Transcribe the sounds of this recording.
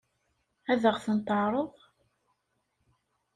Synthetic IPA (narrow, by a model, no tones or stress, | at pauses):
æðəʁθənt̪əʕɾˤəðˤ